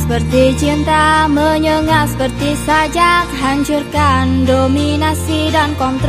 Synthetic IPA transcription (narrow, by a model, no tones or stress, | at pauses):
səpərt̪it͡ʃint̪aməɲəŋasə̥pərt̪isad͡ʒakɦaɲt͡ʃurkandominasidankɔnt̪ɾ